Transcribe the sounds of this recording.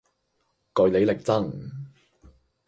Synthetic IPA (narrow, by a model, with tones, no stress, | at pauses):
kɔ˨˧jle˨˧jlɪ˨k̚t͡sɐ˥˩ŋ